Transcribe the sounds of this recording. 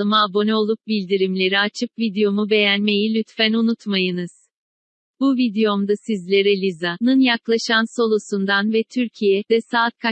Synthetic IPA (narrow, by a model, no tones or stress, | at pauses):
ɯmaːbo̞nɛo̞lˠup̚bilʲd̪iɾimlʲe̞ɾiat͡ʃʰɯp̚vid̪ejo̞mube̞jænme̞jilʲyt̪fænunut̪majɯnɯz̥ | b̥uvid̪ejo̞md̪asizlʲe̞ɾɛlʲizanɯnjaklˠaʃanso̞lˠusund̪anvɛt̪ʰyɾcʰijɛd̪̥ɛsaːt̪̚kʰa